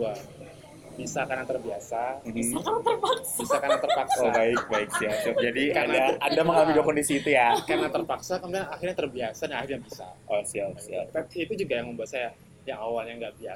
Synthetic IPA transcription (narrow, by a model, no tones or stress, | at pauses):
uwa | b̥isakanaŋt̪ərbiasam̩t̪ərpaksbisakaɾnaŋt̪ərpaksoabaɪk̚baɪk̚siasiad͡ʒadikaanaaadaməŋalamid͡ʒokɔndisiːt̪ujakaɾnat̪ərpaksakamuaaxɪrɲat̪ərbiasadanaxirɲabisa̰ɔsiasia̰t̪apiːt̪ud͡ʒuɡajaŋməmbuat̪saja | jaŋawalɲaŋɡaʔbias